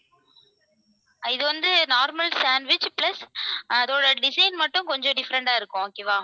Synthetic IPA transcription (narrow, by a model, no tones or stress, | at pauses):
ɪðɯʋɐnd̪ɯnaːɾmɐlsaːɳɖʋɪt͡ʃplɐsɐðoːɽɐɖɪsɐɪnmɐʈːʊ̃nkɔɲd͡ʒɔ̃ɖɪfɐɾɐɳɖaːɪɾɯkːʊ̃oːkːeːʋaː